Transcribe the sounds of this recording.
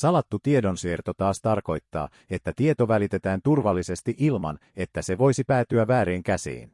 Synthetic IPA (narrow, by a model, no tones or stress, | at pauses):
sɑlɑt̪ːut̪ie̞do̞nsiert̪o̞t̪ɑːst̪ɑrko̞jt̪ːɑ̰ː | e̞t̪ːæt̪ie̞t̪o̞ʋælit̪e̞t̪æːnt̪urʋɑlːise̞st̪iʔilmɑ̰n | e̞t̪ːæse̞ʋo̞jsipæːt̪yæːæːɾeːŋkæsḭːn